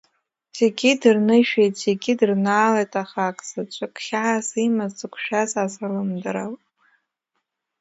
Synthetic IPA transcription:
z̥eɡʲidɨrnɨʃᶣejtʼz̥eɡʲidɨrnaːlejtʼaχakʼsat͡ʃʷʼʰakʰʼχʲaʕasimazt͡sɨkʷʰʃᶣazazalɨmdaɾal

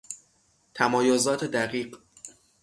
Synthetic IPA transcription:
t̪ʰæmɒːjozɒːt̪ʰe̞d̪æɢiːɢ

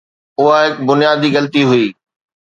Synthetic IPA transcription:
ʊɦaɦɪkbʊnɪjaːd̪iɣɐlt̪iɦʊiː

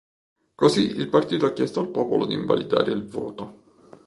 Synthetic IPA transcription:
kosiilpart̪iːt̪oakːjɛst̪oalpɔːpolod̪iɱva̰lid̪a̰ːɾʔeilvɔ̰ːt̪o

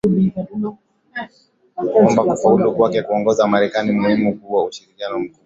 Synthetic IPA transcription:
kɔmbakufaulukwakɛkuɔŋɡɔzamaɾɛkanimuhimukuwauʃiɾikianɔm̩ku

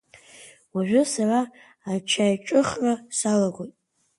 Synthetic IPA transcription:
waʒᶣʷʊsaraː | t͡ʃʰajʈ͡ʂʼɨχrasalaɡʷojtʼ

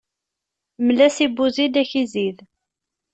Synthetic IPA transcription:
mlæsibːuzid̪æçizið

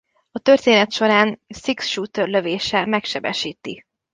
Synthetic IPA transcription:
ɒt̪ø̞rt̪eːnɛt̪ʃo̞ɾaːnsiksʃuːt̪ørløveːʃɛmɛkʃɛbɛ̰ʃiːt̪i

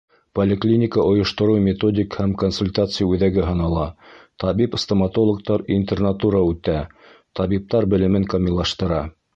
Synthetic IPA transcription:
polʲɪklʲinʲɪkəʔŏjŏʃt̪ŏɾɤwmʲɪt̪o̞dʲɪkhæmkonsulʲt̪at̪sɨjəʉðæɡɘɦɤ̆nɑlˠɑt̪ɑβipst̪omɐt̪o̞lˠŏk̚t̪ɑɾinʲt̪ernat̪uɾɑʉt̪æ | t̪ɑβip̚t̪ɑɾbɘ̆lɘ̆mɘŋkɐmʲilˠːɑʃt̪ɤ̆ɾɑ

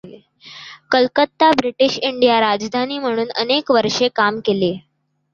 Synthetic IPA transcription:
kəlkət̪ːabɾiʈiɕiɳɖijaɾad͡zd̪ʱaniːm̤əɽ̃uːnə̰nekʋəɾʂekamkele

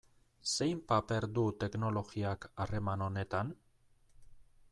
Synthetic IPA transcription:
se̞jmpape̞ɾd̪ut̪e̞kno̞lo̞ɣiakare̞mano̞ne̞t̪an

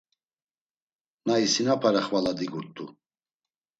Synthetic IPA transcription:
naisinapʰaɾaχvalad̪iɡuɾt̪ʼṵ

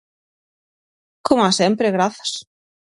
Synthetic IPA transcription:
kʰɔmasɛmpɾɪɣɾaθḁs

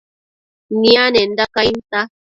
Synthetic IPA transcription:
nianen̩dakajmt̪a

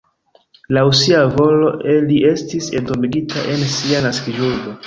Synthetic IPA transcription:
lawsiavo̞lo̞ʔe̞lie̞stisentomiɡitaʔe̞nsianaskid͡ʒuɡo̞

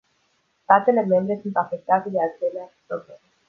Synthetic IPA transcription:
st̪at̪elemembɾesunt̪afek̚t̪at̪ed̪ealt͡seleapɾoblem

